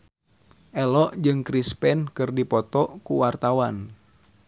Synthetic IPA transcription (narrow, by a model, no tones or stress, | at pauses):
ʔɛlɔʔd͡ʒɨŋkɾispɛnkɨrdipɔt̪ɔʔkuwart̪awan